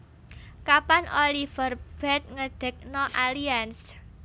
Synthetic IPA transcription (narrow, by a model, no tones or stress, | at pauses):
kapanolifərb̥ɛt̪̚ŋəd̪̥ə̤k̚nɔʔalians